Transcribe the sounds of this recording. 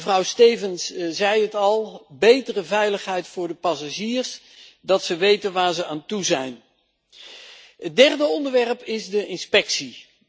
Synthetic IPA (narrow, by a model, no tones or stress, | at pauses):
vrɑwsteːvənszɛjɦətɑlˠbejtərəvɛjləχɦɛjtfʊːɹdəpɑsaʒiːɹs | dɑtsəʋejtənʋaːɹzəaːntuzɛjn | ɦədɛrdəɔndəɹʋɛrpɪzdəʔɪnspɛksi